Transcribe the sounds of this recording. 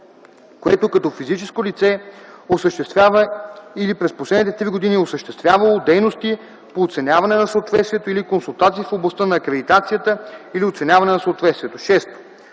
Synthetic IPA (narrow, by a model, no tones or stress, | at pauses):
koɛt̪okɐt̪ɔfizit͡ʃɛskolit̪sɛosəʃt̪ɛavəilipɾɛsposlɛd̪nit̪ɛt̪ɾiɡod̪iniosəʃt̪ɛst̪vʲjavɐlˠod̪ɛjnost̪i | poːt̪sɛnʲavɐnɛnɐsəot̪vɛt̪st̪vʲiɛt̪oilikonsulˠt̪at̪siːfoblˠɐst̪ənɐːkɾɛd̪it̪at̪sijət̪əiliot̪sɛnʲavɐnɛnɐsəot̪vɛt̪st̪viɛt̪oʃɛst̪o̥